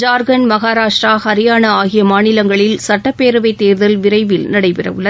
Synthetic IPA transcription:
d͡ʒaːɾɣɐnmɐɣaːɾaːʂʈɾaːhɐɾɪjaːnɐaːɣɪjɐmaːnɪlɐŋɡɐɭɪlsɐʈːɐpːeːɾɯʋɐɪt̪ːeːɾðɐlʋɪɾɐɪʋɪlnɐɽɐɪpɪrɐ̰ʋɯɭːɐð

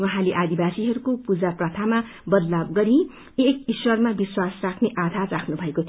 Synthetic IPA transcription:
wʌɦãleʔad̪ibasiɦʌɾukopud͡zaprʌt̪ʰama | bʌd̪lab̚ɡʌɾi | ekiswʌrmabiswasrakʰneʔad̪ʱarakʰnubʱʌekot̪ʰ

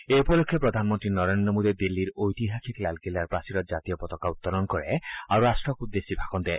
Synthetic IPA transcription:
eupɔlokʰːjɔpɾɔd̪ʱanmɔnt̪ɾinɔɾend̪ɾɔmod̪id̪ilːiɾojt̪iɦakʰiklalkilaɾpɾasiɾɔd͡ʒat̪iɔpɔt̪ɔkaut̪ːɔɾɔnkɔɾeaɾuɾasʈɾɔkud̪ːesibʱakɔnd̪ɛ

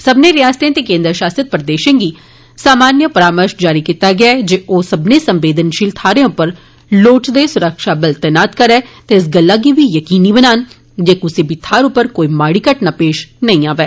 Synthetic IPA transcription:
səbneɾɪjaːst̪ẽt̪eːkẽːnd̪ɾʃaːsɾət̪̚pɾəd̪eːʃə̃ɡiː | saːmaːnjəpəɾaːməɾʃd͡ʒaːɾiːkiːt̪aɡɪaɛd͡ʒeːʔoːsəbneːsə̃mʋeːd̪ənʃɪlt̪ʰaːɾẽʊpəɾ | loːʈd̪esʊɾəkʃaːbəlt̪ɛːnaːt̪kəɾɛːt̪eɪs̬ɡəlːaːɡiʋiːjəkiːniːbənaːn | d͡ʒeːkʊsibɪt̪ʰːaːɾʊpəɾkoːimaːɽiːkəʈnapeːʃnɐĩaːʋeː

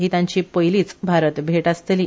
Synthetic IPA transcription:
ɦit̪ãɲt͡ɕiːpəjliːt͡sbʱaɾət̪bʱeʈast̪eliː

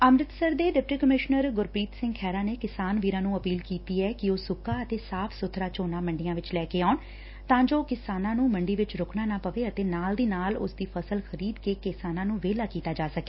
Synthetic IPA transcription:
əmɾɪt̪səɾd̪eːɖɪp̚ʈiːkəmɪʃnəɾɡʊɾpɾiːt̪sɪ̃ŋɡkʰɛːɾaːneːkɪsaːnʋiːɾãːnũːəpiːlkiːt̪iːɛːkɪoːsʊkaːət̪eːsaːpʰsʊt̪ʰɾaːt͡ʃoːnaːməɳɖijãːʋɪt͡ʃlɛːkeːaːn | t̪ãːd͡ʒoːkɪsaːnãːnũːmə̃ɳɖiːʋɪt͡ʃɾʊkʰnaːnaːpəʋeːət̪eːnaːld̪iːnaːlʊ̰sd̪iːpʰəsəlxʰəɾiːd̪keːkɪsaːnãːnũːʋeːlaːkiːt̪aːd͡ʒaːsəke̥ː

